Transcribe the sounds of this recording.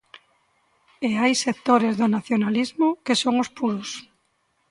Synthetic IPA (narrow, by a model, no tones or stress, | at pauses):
eajsek̚t̪oɾezðʊnaθjonalizmʊkesoŋʊspuɾʊs